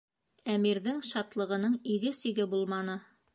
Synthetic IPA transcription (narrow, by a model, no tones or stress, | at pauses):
æmiɾðɘŋʃɑt̪lˠɤ̆ʁɤ̆nɤɴiɡɘsĭɡɘbulˠmɑnɤ